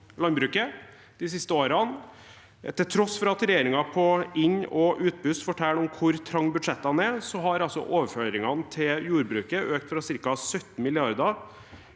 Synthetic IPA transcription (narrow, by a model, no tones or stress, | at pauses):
lɑnbɾʉːkə | d̪̥ɪsɪst̪əoːɾɑn | t̪ʰɪlt̪ʰɾɔsfɾɑɑt̪ɾɛjeːɾɪŋɑpʰɔɪɲːɔʔʉːt̪̚bʉst̪fɔʈʰæːlɔmkʰʊɾt̪ʰɾɑŋːbʉd̪ʂɛt̪ːɑnæsɔɦɑɾɑlsɔ̰ʔoːʋəɾføːɾɪŋɑnt̪ʰɪljuːɾbɾʉːkəøːk̚t̪fɾɑsɪɾkɑsœt̪ːn̩mɪlɪɑɾd̪ɑ